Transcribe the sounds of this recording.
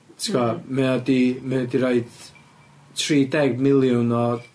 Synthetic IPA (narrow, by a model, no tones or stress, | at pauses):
tʰkʰamɛɔdimɛɔdiɾajd | tʰriːdɛɡmɪlˠjʊnɔd̥